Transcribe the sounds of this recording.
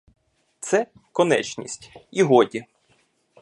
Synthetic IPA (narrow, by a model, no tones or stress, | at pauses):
t̪sɛ | kɔnɛ̰t͡ʃnʲḭsʲtʲiɦɔdʲi